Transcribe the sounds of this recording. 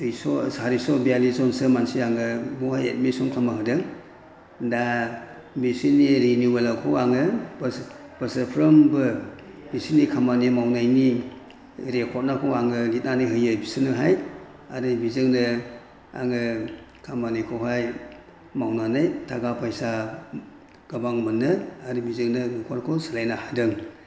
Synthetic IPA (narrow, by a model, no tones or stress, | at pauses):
ijsɔsaɾisɔbializɔnsɯmansiaŋɯmuhajet̚misɔmkʰamaɦɯdɯŋ | da | bisiniɾiniwelakʰɔaŋɯbb̥əsəpʰɾɐmbɯbisinikʰamanimawnajni | ɾekʰɔt̚nakʰɔaŋɯnit̚nanijɦɯjɯbisɯnɯɦaj | a̰ɾibizɯŋnɯ | a̰ŋɯ | kʰamanikʰɔɦaj | mawnanajtʰaɡapʰajsa | ɡ̥abaŋmɯnːɯaɾibizɯŋnɯnɯkʰɔɾkʰɔsalajnahadɯŋ